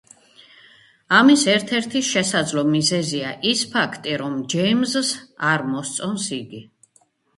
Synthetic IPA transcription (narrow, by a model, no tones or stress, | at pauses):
amisɛɾt̪ʰɛɾt̪ʰiʃɛsad̪zlˠɔmizɛziaʔispʰakʰt̪ʼiɾɔmd͡ʒɛjmzsaɾmɔst̪sʼɔnsiɡi